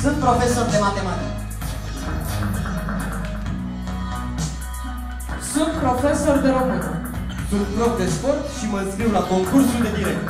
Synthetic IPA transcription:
sunt̪̚pɾo̞fe̞so̞rd̪e̞mat̪e̞mat̪ik | sunt̪̚pɾo̞fe̞so̞rd̪e̞ɾomɨnə | t̪unpɾok̚d̪e̞spo̞rt̪ʃiməɨnskɾiwlako̞ŋkursmuijd̪ed̪iɾe̞k̚t̪

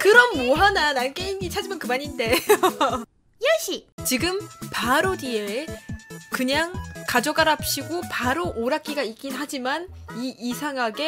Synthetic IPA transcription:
kɯɾʌnmoɦananank͈eimɡit͡ɕʰad͡ʑimankɯmaɲinde̞ | jʌɕʰit͡ɕiɡɯmpaɾodie̞ | kɯɲaŋkad͡ʑʌɡaɾap̚ɕʰiɡopaɾoʔoɾak͈iɡaik͈inɦad͡ʑimaniːsʰaŋɦaɡe̞

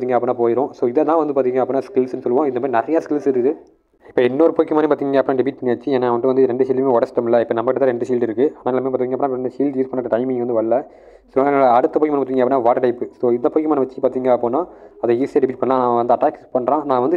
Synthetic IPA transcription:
t̪iːŋɡɐpːɾnːaːpoːjɪɾʊ̃ːsoːɪðɐt̪ãːʋɐnd̪ɯpaːɾt̪iːŋɡɐpːnːaːskɪlsɛnːɯsɔlːɯʋõːɪnd̪ɐmaːɾinɛɾɐjaːskɪlsɪɾɯkːɯ | ɪpːoːɪnːoɾɯpoːjkːɐmaːnipaɾt̪iŋɡɐɐpːɽnːaɖɪbiːʈ̚pɐɳːɪjat͡ʃːɯɛnːɐʋɐnʈːɯʋɐnd̪ɯɾɛɳɖɯʃiːlɖmeːɔɽɐsʈːɐmɪlːɐɪpːonɐmːɐkɪʈːɐt̪ːãɾɛɳɖɯʃiːlɖɪɾɯkːɯɐnaːɪlɐmeːpaːt̪iːŋɐpːɾnːaɪːɾɛnd̪ɐʃiːlɖjuːspɐɳːɐʈːɐʈɐɪmɪŋɡʋɐnd̪ɯʋɐɭlɐ | sɔlːɐʋːlɐɐɽɯt̪ːɐpoːkmnːɯpːaːt̪iːŋɡɐpːɾnːaːʋaːʈɐʈɐɪpːɯsoːɪnd̪ɐpoːjɪkːɐmaːnɐʋɐt͡ʃːɯpaːɾt̪̬iːŋɡlaːpːoːnãːɐðɐiːseːɖɪbiːʈ̚pɐɳːlãːnãːʋɐnd̪ɯɐʈːaːkpɐɳɾãːnãːʋɐnd̪ɯ

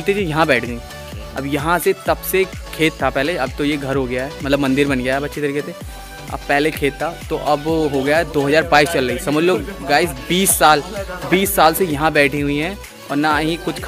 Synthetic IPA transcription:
lt̪ed͡ʒijɐɦãbɛːʈʰɡɐĩ | ɐ̰bjɐɦãset̪ɐbse | kʰeːt̪t̪ʰːapɛɦleɐb̚t̪ojeɡʱɐɾɦoɡɐjaɦɛːmɐt̪ləbmɐ̃nd̪ɪɾbɐnɡjajɐbɐtːʃʰet̪ɐɾiːkese | ɐ̰bpɛɦlekʰeːt̪ʰːat̪oʔɐbɦoɡɐjaɦɛd̪oːɦɐzaːɾbaːist͡ʃɐlɾɐisɐmʊd͡ʒloːɡɡaːɪsbiːsːaːlbiːsːaːlsejɐɦãbɛːʈʰiɦʊiɦɛ̃ | ɔːɾnaɦikʊt͡ʃʰkʰ

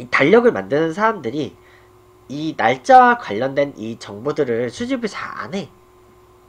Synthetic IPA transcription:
itaʎːʌɡɯɭmandɯnɯnsʰaɾamdɯɾi | inaɭt͡ɕ͈awakwaʎːʌndwe̞nit͡ɕʌŋbodɯɾɯɭsʰud͡ʑibɯɭt͡ɕaa̰ne̞

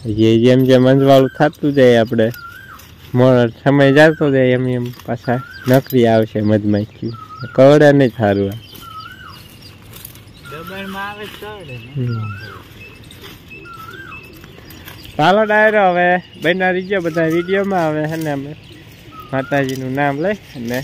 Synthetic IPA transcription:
d͡ʒed͡ʒeəmd͡ʒemə̃nd͡ʒʋalũt̪ʰat̪ũd͡ʒajap̬ɽe | moɽəlsəməjd͡ʒad̪t̪od͡ʒajəmimpasanəkɾiaʋʃeməd̪mãikʰikəɡɽenesʰaɾua | maʋeəɽ | palõɖajɾoɦəʋe | bəjnaɾiɖjobəd̪ʱaʋiɖijomãaʋeɦəneəme | maːt̪ad͡ʒinũnamlejəne

